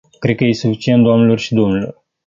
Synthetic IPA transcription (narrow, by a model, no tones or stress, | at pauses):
kɾe̞d̪̚kəjesufit͡ʃient̪d̪oamnelo̞rʃid̪o̞mnelo̰r